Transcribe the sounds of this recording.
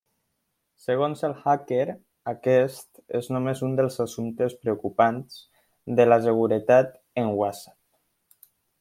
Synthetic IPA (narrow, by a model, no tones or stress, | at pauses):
səɣ̞onzəlˠxakeɾ | akɛst̪ḛznumezund̪əlˠzasumt̪espɾeukupanz | d̪əlas̬əɣ̞uɾət̪at̪ | əŋwasḁp̚